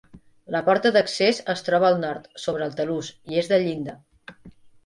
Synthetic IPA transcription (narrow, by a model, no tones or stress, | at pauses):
ləpɔɾt̪əðəksezəst̪ɾɔβəːlˠnɔɾt̪soβ̞ɾəːlˠt̪əlusiezðəʎind̪ə